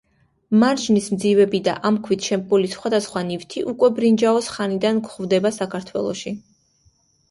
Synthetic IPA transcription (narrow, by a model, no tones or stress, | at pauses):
maɾd͡ʒnismd̪zivɛbid̪a̰ʔamkʰwit̪ʰʃɛmkʼulisχwad̪asχwanivt̪ʰiʔukʼwɛbɾind͡ʒaɔsχanid̪ankχvd̪ɛbasakʰaɾt̪ʰwɛ̰lˠɔ̰ʃi